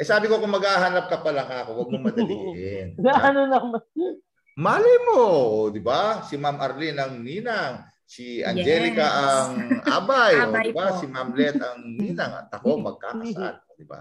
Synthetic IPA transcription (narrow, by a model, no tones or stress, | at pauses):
ʔɛsaːbɪkokʊŋmːɐɡhaːɦɐnap̚kɐpɐlɐŋaːkowɐɡ̚moŋmɐd̪lɪɡɛnnaanonɐŋmɐ | maːlɐjmod̪ɪbasimamʔɐɾlinɐŋniːnaŋ | siʔɐ̰nd͡ʒɛːlɪkɐʔɐŋʔa̰ːbajoɪbasimamlɛt̪ɐŋniːnɐŋɐ̰t̪ɐko̞mɐɡ̚ka̰ːkɐsa̰nod̪ɪba̰